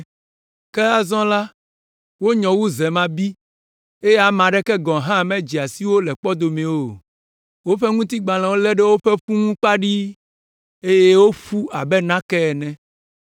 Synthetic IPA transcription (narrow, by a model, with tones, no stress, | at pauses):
kɛ˦a˦zɔ̃˦la˦ | wo˦ɲɔ̃˨wu˦zɛ˨mã˦bi˦ | e˦je˦a˨mã˨ɖɛ˦kɛ˦ɡɔ̃˨ɦã˦˨mɛ̃˦d͡ʑi˨a˨si˦wo˦lɛ˨k͡pɔ˦d̪o˨mɛ̃˨wo˨ | wo˦ɸɛ˦ŋũ˦t̪i˦ɡ͡bã˨lɛ̃˨wo˦lɛ˦ɖe˦wo˦ɸɛ˦ɸu˦ŋũ˦k͡pa˦ɖi˦ | e˦je˦wo˦ɸu˦a˨bɛ˦nã˦kɛ˦ɛ˨nɛ̃˦